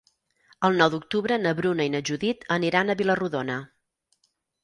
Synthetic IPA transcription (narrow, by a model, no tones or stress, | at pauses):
əlˠnɔwðuk̚t̪uβɾənəβɾunəinəʒuðit̪ʰəniɾanəβiləruðonə